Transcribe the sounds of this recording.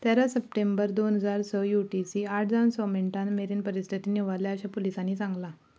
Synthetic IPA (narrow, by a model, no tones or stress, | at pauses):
t̪ɛɾasəp̚ʈembəɾd̪onɦəd͡zaɾsɔjuʈisiaʈʰd͡zansɔmiɳʈanmeɾiːnpəɾist̪ʰit̪iːniʋaljaːɕapolisanːiːt͡sãŋɡla